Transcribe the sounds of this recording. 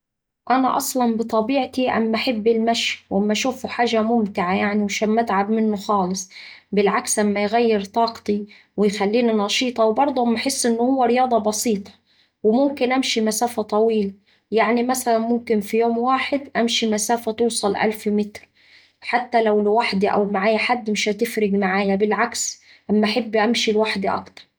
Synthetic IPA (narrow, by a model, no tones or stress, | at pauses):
ʔanaʔɑsˤlɑnbɨt̪ˤɑbiːʕt̪iʔa̰mːʔaħɪbːɪlmaʃwʔamːʔaʃuːfuħaːʒamʊmt̪ɪʕajaʕniwaʃaːnmat̪ʕabmɪnːʊxɑːlɨsˤbɪlʕakslamːajɣajːɪɾt̪ˤɑːqt̪i | wɪjxalːiːninɑʃiːt̪ˤɑwbɑɾˤd̪ˤʊmaħɪsːʔɪnːʊhʊwːaɾɪjɑːd̪ˤɑbɑsiːt̪ˤɑ̥ | wɪmʊmkɪnʔæmʃimæsaːfæt̪ˤɑwiːl | jaʕnimæsælænmʊmkɪnfijoːmwaːħɪd̪ʔæmʃimæsaːfæt̪uːsˤɑlʔa̰lfmɪt̪ɾ | ħat̪ːælæwlɪwaħd̪iʔæ̰wmaʕaːjæħad̪ːmɪʃhæt̪ɪfɾɪɡmaʕaːjæbɪlʕaks | ʔamːæʔaħebːʔamʃilwaħd̪iʔɑ̰kt̪ɑ̥ɾˤ